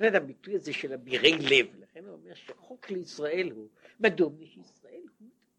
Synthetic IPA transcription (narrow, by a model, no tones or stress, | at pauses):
net̪habitujazeʃelabiʁejlevlaχenuomeʁʃeχokleisʁaʔe̞lhumad̪omlʃisʁaʔelhumd̥̪